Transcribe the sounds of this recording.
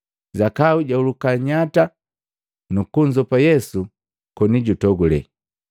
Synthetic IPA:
zakauɟaulukaɲata | nukuɲd͡ʒɔpajɛsu | kɔniɟutɔɡulɛ̰

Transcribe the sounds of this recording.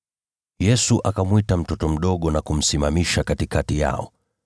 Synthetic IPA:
jɛsuʔakamwitam̩tɔtɔm̩ɗɔɠɔnakum̩simamiʃakatikatija̰ɔ̰

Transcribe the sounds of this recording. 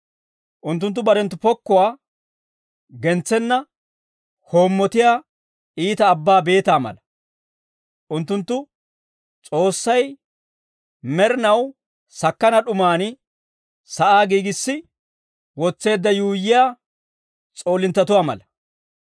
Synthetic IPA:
ʔʊnt̪ːʊnt̪ːʊbɐɾɛnt̪ːʊpɔkːʊwaː | ɡɛnt͡sːɛnːɐ | hoːmːɔt̪ɪjaː | iːt̪ɐːbːaːbe̞ːt̪aːmɐ̰lɐ | ʔʊnt̪ːʊnt̪ːʊ | t͡sʼo̞ːsːɐj | mɛɾɪnɐw | sɐkːɐnɐɗʊmaːnɪ | sɐʔaːɡiːɡɪsːɪ | wɔt͡sːe̞ːd̪ːɐjuːjːɪjaː | t͡sʼo̞ːlɪnt̪ːɐt̪ʊwaːmɐ̰lɐ

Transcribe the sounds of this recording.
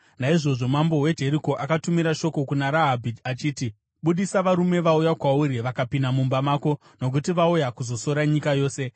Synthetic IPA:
naiʐo̞ʐo̞mambo̞we̞d͡ʒʱe̞ɾiko̞ʔakatumiɾaʃo̞ko̞kunaɾaɦabʱidat͡ʃiːti | ɓuɗisaʋaɾume̞ʋaujakwauɾiʋakapinamumbamaːko̞ | no̞k̬utiʋaujakuzo̞so̞ɾaɲikajo̞ːse̞

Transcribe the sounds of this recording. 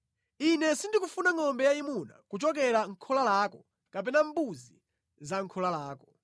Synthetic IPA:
inɛsindikufunaŋɔmbɛjaimuna̰kut͡ʃɔkɛɾaŋ̩kʰɔlalaːkɔ | kap̬ɛnambuzi | zaŋkʰɔlalaːkɔ̥

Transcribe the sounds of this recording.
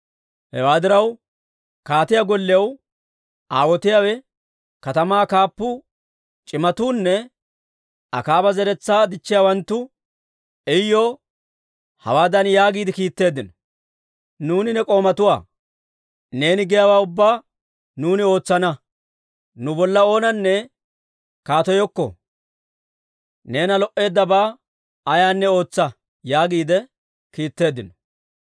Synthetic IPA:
hɛ̰waːd̪ɪɾɐw | kaːt̪ɪjaɡɔlːɪjɐw | ʔaːwɔt̪ɪjaːwɛ | kɐt̪ɐmaːkaːpːʊ | t͡ʃʼɪmɐt̪uːnːɛ | ɐ̰kaːbɐzɛɾɛt͡sːaːd̪ɪt͡ʃːɪjawɐnt̪ːʊ | ɛjːoː | hɐ̰waːd̪ɐnjaːɡiːd̪ɪkiːt̪ːe̞ːd̪ːɪnɔ | nuːnɪnɛkʼo̞ːmɐt̪ʊwa̰ː | ne̞ːnɪɡɛjawaːʊbːaː | nuːnɪo̞ːt͡sːɐnɐ | nʊbɔlːɐo̞ːnɐnːɛ | kaːt̪ɔjɔkːɔ̰ | ne̞ːnɐlɔʔːe̞ːd̪ːɐbaː | ɐjaːnːɛo̞ːt͡sːɐ | jaːɡiːd̪ɛ | kiːt̪ːe̞ːd̪ɪnɔ̥

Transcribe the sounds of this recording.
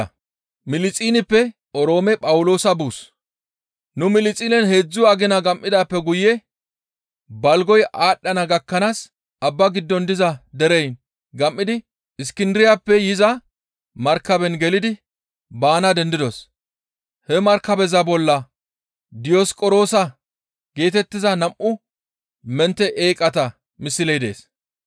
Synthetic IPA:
mɪlɪt͡sʼiːnɪpːɛ | ɔɾo̞ːmɛpʼɐwʊlo̞ːsɐbuːs | nʊmɪlɪt͡sʼiːnɛnhe̞ːd͡zːʊɐɡɪnɐɡɐmʔːɪd̪aːpːɛɡʊjɛ | bɐlɡɔjʔaːɗːɐnɐɡɐkːɐnaːs | ɐbːɐɡɪd̪ːɔnd̪ɪzɐd̪ɛɾɛjn | ɡɐmːɪd̪ɪ | ɪskɪnd̪ɪɾɪjaːpːɛjɪzɐ | mɐɾkːɐbɛnɡɛlɪd̪ɪ | baːnɐd̪ɛnd̪ɪd̪ɔs | hɛmɐɾkːɐbɛzɐbɔlːɐ | d̪ɪjɔskʼɔɾo̞ːsɐ | ɡ̥e̞ːt̪ɛt̪ːɪzɐnɐmʔʊ | mɛnt̪ːɛʔeːkʼːɐt̪ɐ | mɪsːɪlɛjd̪e̞̰ːs

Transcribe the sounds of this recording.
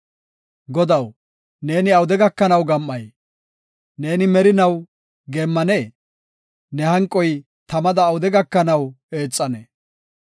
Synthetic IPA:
ɡɔd̪ɐw | ne̞ːnɪɐwʊd̪ɛɡɐkːɐnɐwɡɐmːɐj | ne̞ːnɪmɛɾɪnɐw | ɡeːmːɐneː | nɛhɐŋkʼːɔj | t̪ɐmɐd̪ɐːwʊd̪ɛɡɐkːɐnɐw | e̞ːt͡sʼːɐnɛ

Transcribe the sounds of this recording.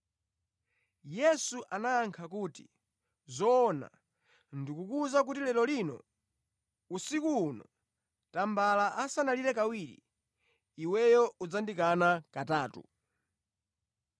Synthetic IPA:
jɛsuʔanaːŋkʰakuːti | zɔːna̰ | ndikukuzak̬utilɛɾɔlinɔ̰ | usikuːnɔ̰ | tambalaʔasanaliɾɛkawiːɾḭ | iwɛjɔud͡zandikanakataːtṵ

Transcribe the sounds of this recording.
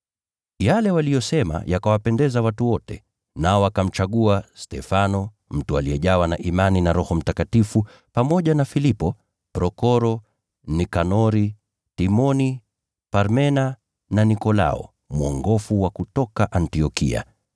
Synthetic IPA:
jalɛwalijɔsɛma̰jakawapɛndɛzawatuwɔtɛ | naɔakam̩t͡ʃaɠuastɛfanɔ | m̩tualiɛʄawanaʔimaninaɾɔhɔm̩takatifu | pamɔʄanafilipɔ | pɾɔkɔɾɔ | nikanɔɾi | timɔni | paɾmɛna | nanikɔla̰ɔ̰ | muɔŋɡɔfuwakutɔkaʔantiɔkḭa̰

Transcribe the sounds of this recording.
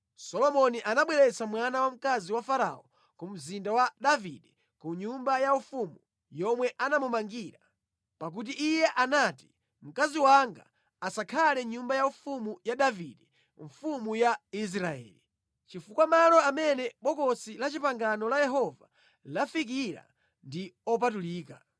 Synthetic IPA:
sɔlɔmɔniʔanaɓwɛɾɛt͡samwanawam̩kaziwafaɾa̰ɔ | kum̩zindawaɗavḭɗɛ | kuɲumbajaufumu | jɔmwɛʔanamumaŋɡiːɾa | pak̬ut̬iʔːjɛʔanati̥ | m̩kaziwaŋɡa̰ː | sakʰalɛɲumbajaufumujaɗaviɗɛ | ɱfumujais̬ɾaɛ̰ːli | t͡ʃifukwamalɔamɛnɛɓɔkɔsilat͡ʃipaŋɡanɔlajɛɦɔva | lafik̬iɾa̰ | ndiɔp̬atuliːka̰

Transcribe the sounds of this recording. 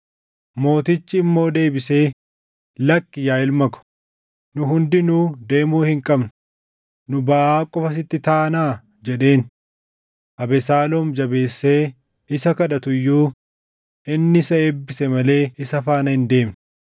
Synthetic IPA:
mo̞ːt̪ɪt͡ʃːɪːmːo̞ːd̪e̞ːbɪse̞ː | lɐkːɪjaːɪlmɐkʊ̥ | nʊɦʊnd̪ɪnuːd̪e̞ːmuːhɪŋkʼɐbnʊ | nʊbaʔaːkʼɔfɐs̬ɪt̪ːɪt̪aːnaː | d͡ʒɛᶑe̞ːn | ʔɐbɛsaːlɔːmd͡ʒɐbe̞ːsːe̞ː | ɪsɐkɐᶑɐt̪ʊjːuː | ʔɪnːɪsɐeːbːɪsɛmɐle̞ːɪsɐfaːnɐhɪnd̪e̞ːmn

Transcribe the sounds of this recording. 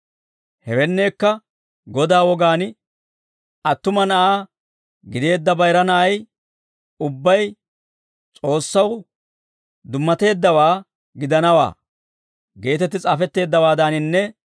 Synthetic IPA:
hɛwɛnːe̞ːkːɐ | ɡɔd̪aːwɔɡaːn | ɐt̪ːʊmɐnɐʔaː | ɡɪd̪e̞ːd̪ːɐbɐjɾɐnɐʔɐj | ʊbːɐj | t͡sʼo̞ːsːɐw | d̪ʊmːɐt̪e̞ːd̪ːɐwaː | ɡɪd̪ɐnɐwa̰ː | ɡe̞ːt̪ɛt̪ːɪt͡sʼaːfɛt̪ːe̞ːd̪ːɐwaːd̪anɪnːɛ

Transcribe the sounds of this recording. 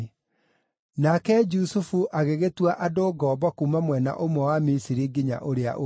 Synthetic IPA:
nakɛd͡ʒusufuʔaɣeɣetwaʔadoɡɔːbɔkumamwɛna̰ʔomwɛwamisiɾiɡiɲa̰ʔoɾea̰ʔo

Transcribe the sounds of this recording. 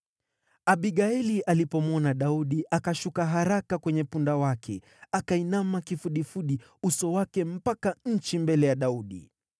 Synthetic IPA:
aɓiɡaɛliʔalipɔmɔnaɗauɗiʔakaʃukaɦaɾakakwɛɲɛpundawakʰɛ | akainamakifuɗifuɗi | usɔwakɛm̩pakaɲ̩t͡ʃimbɛlɛjaɗauɗḭ

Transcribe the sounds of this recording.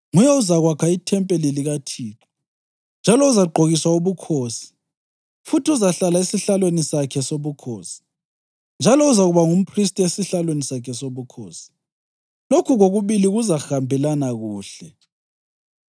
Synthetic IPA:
ŋujɛuzaɣwakʰaitʰɛmpʼeliliɣatʰiːǁʰɔ̥ | nd͡ʒʱalɔuzaɡ͡ǃʱoɣiswauβukʰoːsi̥ | futiuzaɬalaisiɬalwenisakʰɛsoβukʰoːsi̥ | nd͡ʒʱalɔuzaɣuβaŋum̩pʰris̬tʼiesiɬalwenisakʰɛsoβukʰo̰ːsi̥ | lokʰuɣoɣuβiliɣuzaxambʱɛlanaɣuːɬɛ

